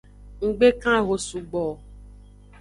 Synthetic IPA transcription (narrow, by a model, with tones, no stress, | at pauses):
ŋ̩˨ɡ͡be˦kã˦˨ɣo˨su˨ɡ͡bɔ˨